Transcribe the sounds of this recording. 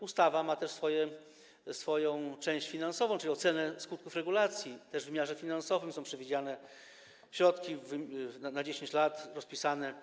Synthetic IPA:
ust̪avamat̪ɛʂsfɔjɛ | sfɔjɔ̃w̃t͡ʂɛ̃w̃ɕt͡ɕfʲinansɔvɔ̃ʈ͡ʂlʲiɔt̪sɛnɛskut̪̚kufɾɛɡulat̪sʲjit̪ɛʐvɘmʲjaʐɛfʲinansɔvɘmsɔ̃pʂɛvʲid͡ʑanɛ | ɕɾɔt̪kʲivnanad͡ʑeɕeɲt͡ɕlat̪ɾɔspʲisanɛ

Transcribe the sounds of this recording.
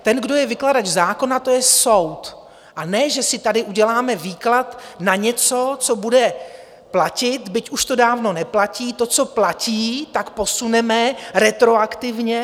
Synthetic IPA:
t̪ɛnɡdo̞jɛvɪkladad͡ʒzaːko̞nat̪o̞jɛso̞wt̪ | ʔanɛʒɛsɪt̪adɪʔuɟɛlaːmɛviːklat̪naɲɛt͡so̞t͡so̞budɛ | placɪt̪bɪcuʃt̪o̞daːvno̞nɛplaciːt̪o̞t͡so̞placiːt̪akpo̞sunɛmɛɾɛt̪ɾo̞akt̪ɪvɲɛ

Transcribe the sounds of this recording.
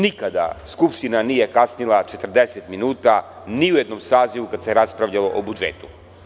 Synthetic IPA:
nikad̪a̰skupʃt̪inaniːje̞kasnilˠat͡ʃet̪r̩d̪eset̪minuːt̪a | niujed̪nomsaːziʋukad̪se̞ɾaspɾaʋʎalo̞ʔobud͡ʒeːt̪u̥

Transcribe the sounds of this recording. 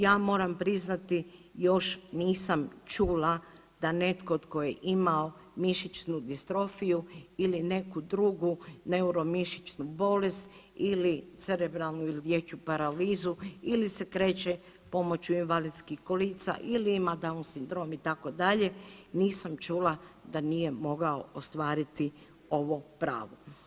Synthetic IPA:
jaːmo̞ɾampɾiznat̪ijo̞ʃniːsamt͡ʃuːla | d̪̥ane̞t̪koot̪ko̞jeʔimao | miʃit͡ʃnud̪ist̪ɾo̞fijuiline̞kud̪ɾuɡuneuɾo̞miʃit͡ʃnubo̞lest̪ilit̪sɛɾebɾalˠnuilid̪jet͡ʃupaɾaliːzuilisekɾeːt͡ʃe | po̞mo̞t͡ɕuinʋalid̪skixkoliːt̪sa̰ʔiliimad̪aunsind̪ɾo̞ːmit̪ako̞d̪aʎe̞niːsamt͡ʃuːlad̪anije̞mo̞ɡaoost̪ʋaːɾit̪i | o̞ʋopɾa̰ːʋo

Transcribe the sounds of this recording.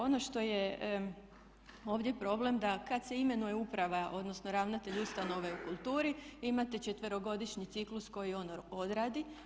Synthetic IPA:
o̞no̞ʃt̪o̞je | o̞ːʋd̪ʲje̞pɾo̞ble̞md̪akad̪se̞ime̞nujeupɾaʋaʔo̞d̪no̞sno̞ɾaʋnat̪e̞ʎust̪ano̞ʋeukulˠt̪uːɾiimat̪et͡ʃet̪ʋeɾo̞ɡo̞d̪iʃɲit̪siklusko̞jio̞no̞d̪ɾaːd̪i

